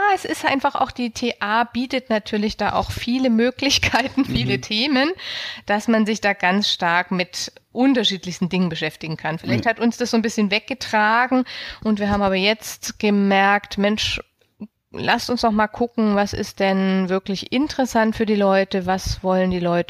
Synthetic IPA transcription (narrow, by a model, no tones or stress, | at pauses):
jaːɛsɪstʔaɪnfaχʔa̰ʊxd̥iːtʰeːʔaːb̥iːtətnatʰyːɐlɪçd̥aːʔa̰ʊxfiːləmøːklɪçkʰaɪtn̩fiːlətʰeːmənd̥asmanzɪçd̥aːɡant͡sʃtaɐkmɪtʔʊntɐʃiːtlɪçstn̩dɪŋənbəʃɛftɪɡŋ̩kʰanfɪlaɪçthatʊnsd̥asz̥oːnbɪsçənvɛk̚ɡ̥ətʁ̥aːɡŋ̩ʔʊntv̥iːɐɦaːbm̩aːbɐjɛt͡stɡ̥əmɛɐktmɛnʃ | la̰stʊnsd̥ɔχmaːlkʰʊkŋ̩vasɪ̰st̚d̥ɛnvɪɐklɪçʔɪntəʁəsantfyːɐdiːlɔʏtəvasvɔləndiːlɔʏtə